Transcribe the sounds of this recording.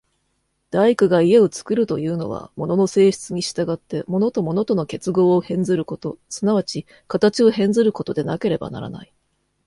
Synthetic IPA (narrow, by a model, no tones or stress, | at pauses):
d̪̥aikɯ̟ɡaie̞o̞t͡sɨ̥kɯ̟ɾɯ̟t̪o̞jɯ̟ːno̞̰βa̰mo̞no̞no̞se̞ːɕi̥t͡sɨɲ̟iɕi̥t̪aɡat̪ːe̞mo̞not̪o̞mo̞no̞t̪o̞no̞ke̞t͡sɨɡo̞ːhẽ̞nd͡zɨɾɯ̟ko̞t̪o̞sɨnaβ̞at͡ɕi | kat̪at͡ɕio̞ɦẽ̞nd͡zɨɾɯ̟ko̞t̪o̞d̪e̞nake̞ɾe̞ba̰na̰ɾa̰na̰i